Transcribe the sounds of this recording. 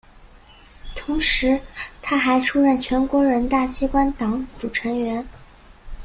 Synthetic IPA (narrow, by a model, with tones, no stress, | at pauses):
t̪ʰʊ˧˥ŋʂɻ̩˧˥t̪ʰa˥xa˧˥ɪʈ͡ʂʰu˥ɻə˥˩nt͡ɕʰɥɛ˧˥nkwɔ˧˥ɻə˧˥nt̪a˥˩t͡ɕʰi˥kwa˥nt̪ɑ˨˩˥ŋʈ͡ʂu˨˩ʈ͡ʂʰɤ˧˥ŋɥɛ˧˥n